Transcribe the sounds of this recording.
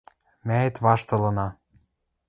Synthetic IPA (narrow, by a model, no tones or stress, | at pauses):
mæĕt̪βɑʃt̪ɤ̆lɤ̆nɑ